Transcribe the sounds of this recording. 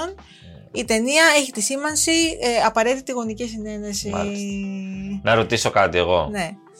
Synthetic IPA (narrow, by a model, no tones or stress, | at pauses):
on | it̪e̞niɐe̞çit̪isimɐnsiɐpɐɾe̞t̪it̪iɣo̞nicisine̞nesi | nɐɾo̞t̪iso̞kɐt̪ieɣo̞̰ne̞